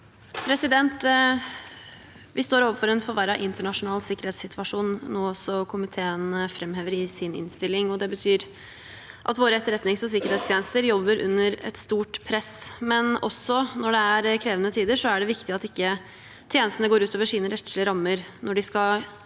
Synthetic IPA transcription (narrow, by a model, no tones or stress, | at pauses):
pʰɾɛsɪd̪ɛnt̪ | ʋɪst̪oːɾoːʋəɾfɔɾɛnfɔɾʋæɾɑʔɪnt̪əɳɑʂʊnɑːlsɪkːəɾheːt̪sɪt̪ʰʋɑʂuːnnoːɔsɔkʰʊmɪt̪ʰeːənfɾɛmɦeːʋəɾɪsɪnɪ̰nst̪ɪlːɪŋɔd̪ɛbət̪ʰyːɾ | ʔɑ̰t̪ʋoːɾəɛt̪ːəɾɛt̪nɪŋsɔs̬ɪkːəɾeːt̪st̪ʰjeːnəst̪əɾjɔbːəɾʔʉ̰nːəɾɛ̰t̪st̪uːʈpʰɾɛsmɛnɔsɔnɔɖɛæɾkʰɾeːʋənət̪ʰiːd̪əʂɔæɖɛʋɪkt̪ɪɑt̪ɪkːə | t̪ʰjeːnəst̪ənəɡoːɾʉːt̪ʰoːʋəʂiːnəɾɛt̪ʂləɾɑmːəɾnɔɖɪskɑ